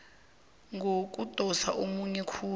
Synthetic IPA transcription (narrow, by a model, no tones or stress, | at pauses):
ŋɡʱok̬ʼutʼɔsa̰ʔomuɲɛkʰuː